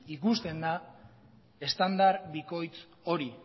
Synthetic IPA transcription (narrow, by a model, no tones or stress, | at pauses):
ikust̪e̞nd̪a | e̞st̪and̪aɾβiko̞jt͡s | o̞ɾi